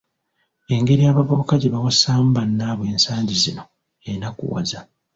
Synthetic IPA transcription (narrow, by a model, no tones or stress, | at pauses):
e̞ŋɡe̞ɾijaːβaβoβukaɟeβawasam̩banːaːβwe̞ːnsaːɲɟizino̞ | enakṵwa̰za